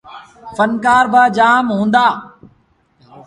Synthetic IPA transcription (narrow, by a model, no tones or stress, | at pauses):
fənkaːɾbaːd͡ʒaːmɦũːnd̪aː